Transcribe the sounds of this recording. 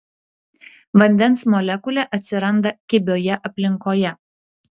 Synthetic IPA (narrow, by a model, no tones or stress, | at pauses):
ʋɐnʲd̪ʲɛnsmɔlʲɛkʊlʲɛʔɐt̪ʲsʲɪɾɐnd̪ɐkʲɪbʲoːjɛʔɐpʲlʲɪŋkoːjɛ